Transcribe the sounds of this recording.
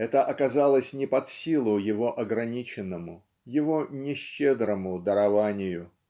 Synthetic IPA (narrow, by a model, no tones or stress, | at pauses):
ɛt̪əʔɐkɐzalˠəsʲnʲɪpɐt̪sʲilˠʊjɪvo̞ʔɐɡɾɐnʲit͡ɕɪnːəmʊ | jɪvo̞nʲɪɕːed̪ɾəmʊd̪əɾɐvanʲɪjʊ